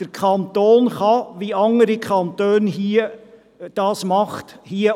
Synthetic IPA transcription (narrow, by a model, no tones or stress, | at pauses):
d̥əɾkʰχɑnt̪oːnχɑʋiɑŋːəɾikʰχɑnt̪øːnɦiə | d̥ɑːsmɑχthiə